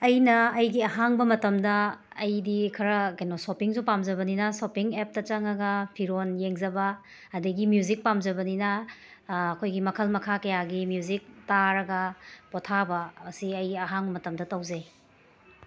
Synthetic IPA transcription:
ɐjnɐːjɡiɐɦaŋbɐmɐtɐmdɐː | jdikʰɐɾɐkenosopiŋzupamzɐβɐninɐsopiŋep̚tɐt͡ʃɐŋɐɡɐpʰiɾonjeŋzɐbɐː | dɐɡimjuzik̚pamzɐbɐninɐː | kʰojɡimɐkʰɐlmɐkʰakɐjaɡimjuzik̚taɾɐɡɐpotʰabɐɐsiɐjɡiɐɦaŋbɐmɐtɐmdɐtɐwze

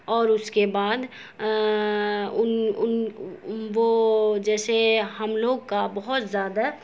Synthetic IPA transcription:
ɔːɾʊskebaːd̪ | ʊnʊn | ʋod͡ʒɛːseɦɐmloːɡkabɐɦʊt̪zjaːd̪a

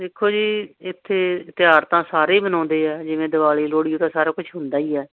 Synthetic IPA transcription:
d̪eːkʰːoːd͡ʒiːɪt̪ʰːeːt̪ɪjaːɾt̪ãːsaːɾeːbənɔ̃ːnd̪eːɛːd͡ʒɪʋẽːd̪ɪbaːleːloːɽijõːt̪ãːsaːɾaːkʊt͡ʃʰɦʊ̃nd̪aːiːɛː

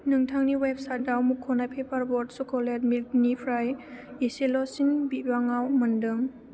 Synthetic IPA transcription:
nɯŋtʰaŋniweb̚saj̚dawmukʰːɔnajpʰepʰaɾbɔɾdsukʰɔledmilknipʰɾajeselɔsinbibaŋawmɯndɯm

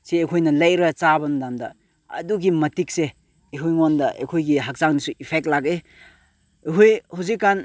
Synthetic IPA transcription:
siekʰojnɐlɐjɾɐt͡ʃabɐnudamdɐ | ɐ̰duɡimɐtik̚se | eɦujŋɔndɐʔḛkʰojɡiɦak̚zaŋnisuʔipʰek̚tlaɡe | eɦojhuzikːan

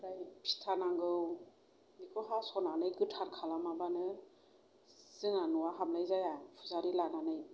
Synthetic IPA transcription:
ɾajpʰi̥tʰanaŋɡɯw | mikʰɔɦasɔnanɯjɡɯtʰaɾkʰalamabanɯ | z̥ɯŋanuwaɦamlajzajapʰuzaɾilananɯj

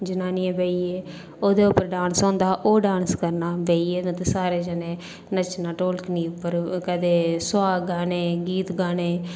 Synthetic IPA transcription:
d͡ʒɪnaːniːẽbeːieː | oːd̪eːʊpːəɾɖãːnsɔ̃ːnd̪aːʔoːɖãːnskəɾnaːbeːiːeːnə̃t̪esaːɾeːd͡ʒəːnẽː | nət͡ʃnaːʈoːlkəniːpːəɾkɛːd̪eːsʊaːɡaːneːɡiːt̪ɡaːneː

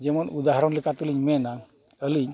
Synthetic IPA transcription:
d͡ʒɛmənud̪aɦaɾɔnlikat̪uliɲmɛna | əliɲ

